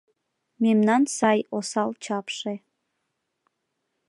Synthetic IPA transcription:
memnɑnsɑjosɑlt͡ɕɑpʃe

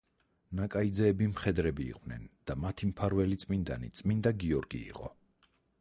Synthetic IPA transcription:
nakʼaid̪zɛːbimχɛd̪ɾɛbḭːqʼvnɛ̰nd̪̥amat̪ʰimpʰaɾvɛlit̪sʼmind̪a̰nḭt̪sʼmind̪aɡiɔɾɡḭːqʼɔ

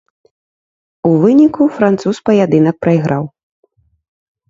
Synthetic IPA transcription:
uvɨnʲikufɾant̪suspɐjad̪ɨnɐk̚pɾɐiɣɾaw

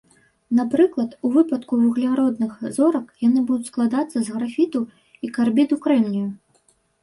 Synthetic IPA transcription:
napɾɨklˠɐt̪uvɨpɐt̪kuvuɣlʲaɾɔd̪nɨxzɔɾɐkjanɨbud̪ʊt͡sʲsklˠad̪at̪sːɐzɣɾafʲit̪u | ikarbʲid̪ukɾɛmnʲuju

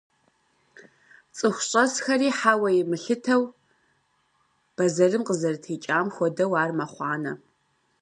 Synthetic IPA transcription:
t͡sʼɨxʷʊɕʼɐsxɐriːħaːwɐjɪmɨɬɨtʰɐw | b̥ɐzɐrɨmqəzɐrtʰeːt͡ʃʼaːmxʷɔdɐwaːrmɐχʷɑːnɐ̰

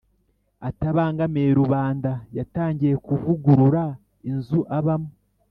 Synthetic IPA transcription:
ataβaːŋɡameːɾuβaːndajataːɲɟije̞kuvuɡuɾuɾa | inzuʔaβamo

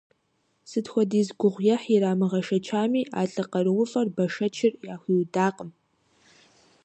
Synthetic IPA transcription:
sɨtxʷɔdiːzɡʷʊʁʷjɛħiɾaːmɨʁɐʃɐt͡ʃʰaːmiːʔa̰ːɬʼɨqɐɾɨwʊfʼɐrbɐʂɐt͡ʃʰɪrjaːxʷiːwdaːqəm

